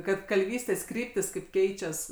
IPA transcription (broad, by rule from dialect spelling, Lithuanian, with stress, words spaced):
ˈkɐt kɐlʲˈʋʲiːsʲtʲeːs ˈkrʲiːpʲtʲiːs kɐɪp ˈkʲɛɪt͡ʃʲɛs